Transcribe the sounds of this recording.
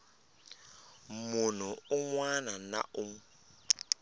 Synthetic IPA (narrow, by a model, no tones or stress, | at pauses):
mʊn̤ʊʊŋwanana̰ʔʊŋ